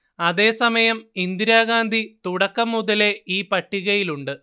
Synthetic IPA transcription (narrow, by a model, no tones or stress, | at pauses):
ɐðe̞ːsɐmɐjɐmind̪iɾaːɣaːnd̪ʱit̪uɽɐkːɐmːuðɐle̞ʔiːpɐʈːiɣɐjiluɳɖɨ